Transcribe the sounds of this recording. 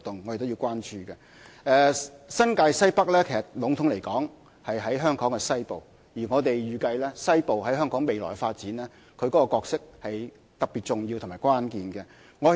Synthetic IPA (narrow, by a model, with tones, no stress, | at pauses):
t̪ʊ˨ŋːɔ˨˧te˨t̪o˥wji˧wkʷwaː˥nt͡ʃyː˨kɛ˧ | ɛː˧sɐ˥nkaː˧jsɐ˥jpɐ˥k̚lɛː˥kʰe˨˩sɐ˨t̚lʊ˨˥ŋt̪ʰʊ˨˥ŋle˨˩jkɔː˨˥ŋ | hɐ˨jɦɐ˨˥jɦœː˥ŋkɔː˨˥ŋkɛ˧sɐ˥jpo˨w | jiː˨˩ŋɔː˨˧t̪e˨jɥyː˨kɐ˧jlɛː˥sɐ˥jpo˨whɐ˨˥jɦœː˥ŋkɔː˨˥ŋme˨jlɔ̰ː˨˩faː˧t̚t͡siː˨˥nlɛː˥ | kʰɵ˧ɥkɔ˨˥kɔ˧kɔː˧k̚sɪ˥k̚hɐ˨j | t̪ɐ˨k̚pi˨t̚t͡sʊ˨ŋji˧tʰʊ˨˩maː˨˩jkwaː˥nkiː˨nɡɛ˧ | ŋɔ˨˧